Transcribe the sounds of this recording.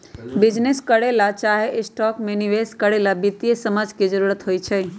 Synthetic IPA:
bid͡ʒneskəɽelat͡ʃaɦeʔɪsʈɔkmeniʋeskəɽelabit̪ijesəmad͡ʒked͡ʒəɾuɾət̪ɦojt͡ʃʰə

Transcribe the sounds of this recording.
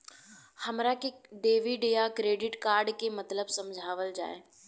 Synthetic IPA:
hɐmɾakeɖeːʋiɖejakɾeːɖɪʈkaːɾɖkemɐt̪ləbsɐ̃md͡ʒʱaːʋəld͡ʒa̰ːḛː

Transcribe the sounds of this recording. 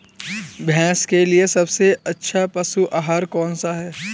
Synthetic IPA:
bʱɛ̃ːskeliesɐbseɐtːʃʰapɐsuʔaːɦaːɾkɔːnsaɦɛː

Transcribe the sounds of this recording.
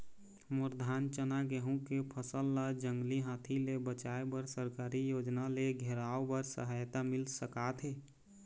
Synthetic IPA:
mʊɾd̪ʱaːnt͡ʃənaɡɛɦũkepʰəsəlːad͡ʒə̃ŋɡliɦãːt̪ʰilebət͡ʃaːebəɾsəɾkaːɾijoːd͡ʒnaleɡʱeɾaːobəɾsə̰ɦajt̪amɪlsəkat̪ʰeː

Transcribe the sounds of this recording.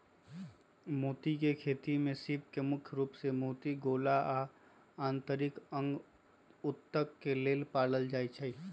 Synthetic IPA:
moːt̪ikekʰeːt̪imẽsiːp̚kemʊkʰjɾuːpsemoːt̪iɡoːlaa | ãːnt̪əɾɪkə̃ŋɡ | ʊt̪ːəkːeleːlpaːɽəld͡ʒaːit͡ʃʰəi

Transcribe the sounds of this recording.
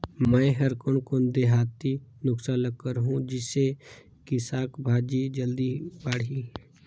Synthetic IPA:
mɛ̃ɦɐɾkonkod̪eɦaːt̪inʊksaːnləkkəɾɦũd͡ʒɪse | kɪsaːkbʱaːd͡ʒid͡ʒəld̪ibaːɽiː

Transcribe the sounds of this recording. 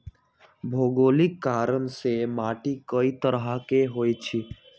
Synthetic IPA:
bʱoːɡoːlɪkːaːɾənsemaːʈikəit̪əɾɦakeɦoːjt͡ʃʰi

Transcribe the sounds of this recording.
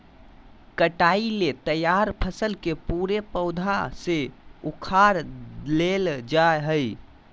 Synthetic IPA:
kəʈailet̪əjaɾpʰəsəlkepuɾepəʊd̪ʱaseukʰaɾleld͡ʒaeɦəj

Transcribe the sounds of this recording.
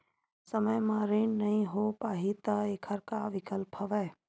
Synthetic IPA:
səməjmãːɾeːnnɐɦĩɦopaːɦit̪ɐeːkʰəɾkaʋɪkəlpʰəʋɛː

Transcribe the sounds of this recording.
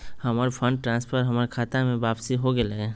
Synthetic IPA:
həmaɾpʰə̃ɳɖʈɾãːnspʰəɾɦəmaɾkʰaːt̪amẽʋaːpsiɦoɡəlɛ

